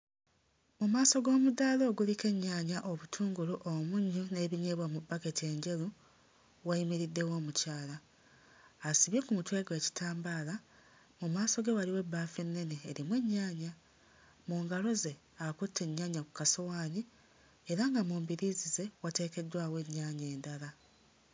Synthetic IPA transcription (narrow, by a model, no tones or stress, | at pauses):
mumaːso̞ɡo̞ːmudalo̞ːɡulike̞ɲːaːɲaʔo̞βutʰuːŋɡuluʔomuɲːune̞ːβiɲeːβwamubake̞tie̞ɲɟe̞lu | waimiɾidːe̞wo̞ːmucaːlaː | siβjekumutwe̞ːɡowe̞ːci̥tʰaːmbaːla | mumaːso̞ɡe̞waliwe̞bːaːfenːe̞ne̞ːɾimwe̞ɲːaːɲa | muːŋɡalo̞ze̞ | akutʰːe̞ɲːaːɲaku̥kasowaːɲi | eɾaŋɡamuːmbiɾizize̞wate̞ːke̞dwaːwe̞ɲːaːɲe̞ːndala